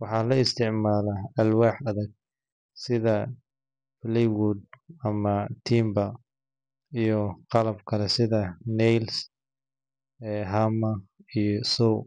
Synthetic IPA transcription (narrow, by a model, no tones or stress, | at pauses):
wɑħɑːlɐɪst̪ʰɪʕmaːlɐɐlwaːħɐðɐɡ̚ | sɪðɐ | flɛwud̪̚ɐmɐt̪ʰiːmbɐ | ijɔqɑlɐbkʰɐlɛsɪðɐnɛjls | ɛːɦɐmɐijɔsɔw